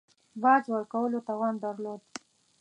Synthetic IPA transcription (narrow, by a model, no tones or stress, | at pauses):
bɑd͡ʒwəɾkawəlot̪ɑwɑnd̪aɾlod̪̚